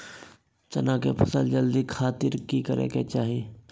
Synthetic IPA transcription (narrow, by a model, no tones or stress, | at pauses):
t͡ʃɐ̰nãkepʰɐsəld͡ʒəld̪ikʰaːt̪ɪɾkikəɾḛket͡ʃaːɦi